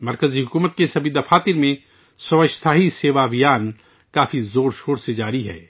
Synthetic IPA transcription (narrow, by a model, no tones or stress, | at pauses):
mɐɾkəziɦʊkuːmət̪kesɐbʱid̪ɐfaːt̪ɪɾmẽ | sɐʋəʃt̪ʰaːɦiseːʋabijaːn | kaːfizoːɾʃoːɾsed͡ʒaːɾiɦɛ̰ː